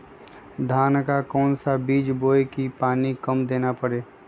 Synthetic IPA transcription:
d̪ʱaːnkakɔːnsabiːd͡ʒboːekipaːnikəmd̪eːnapəɾeː

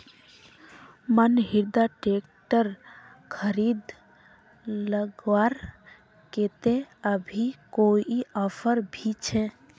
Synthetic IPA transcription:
mənɦiɾd̪aʈekʈəɾ | kʰəɾid̪ | ləɡwaɾ | ket̪eəbʱikoiɔpʰəɾbʱit͡ʃʰe

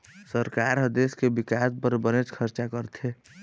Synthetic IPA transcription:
səɾkaɾɦəd̪eskebɪkaːspəɾbənet͡ʃkʰəɾt͡ʃakəɾt̪ʰe

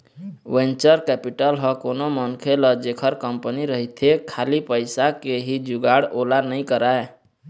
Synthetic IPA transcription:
wẽnt͡ʃəɾkɛːpiʈəlɦə̃koːnomənkʰeləd͡ʒekʰəɾkəmpəniɾəɦit̪ʰekʰaːlipəɪsakeɦid͡ʒʊɡaːɽoːlanəĩkəɾaːe

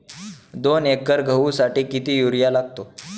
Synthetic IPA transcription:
d̪onekːəɾɡʱəʋusaʈiːkit̪iːjuɾjalaɡt̪o

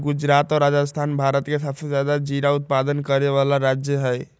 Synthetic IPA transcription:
ɡud͡ʒɾat̪ɔɾad͡ʒəst̪ʰanbʱaɾət̪kesəbsed͡ʒjad̪ad͡ʒiɾaut̪̚pad̪ənkəɾeβalaɾad͡ʒjəɦəj

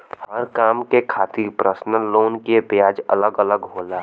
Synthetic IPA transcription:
həɾkaːmkekʰaːt̪ipɾəsnəloːnkipjaːd͡ʒə̰ləɡələɡɦoːlaː

